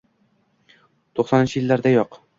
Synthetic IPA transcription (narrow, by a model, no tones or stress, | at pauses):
t̪ʰoχsɒnɪnt͡ʃʰɪjɪlːaɾd̪ajoq